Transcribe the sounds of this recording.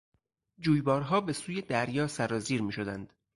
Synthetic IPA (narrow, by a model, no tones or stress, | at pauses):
d͡ʒuːjbɒːɾɦɒːbe̞suːje̞d̪æɾjɒːsæɾɒːziːɾmiːʃo̞d̪ænd̪̥